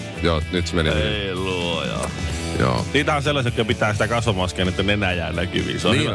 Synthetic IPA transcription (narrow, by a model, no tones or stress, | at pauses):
joːnyt̪menieiluojɑ̰ː | jo̰ːniːt̪æhonselːɑsiet̪ːæpit̪æːsit̪ækɑsʋɑmɑskæːnet̪ːænenæjæːnæky̰ʋḭseonhi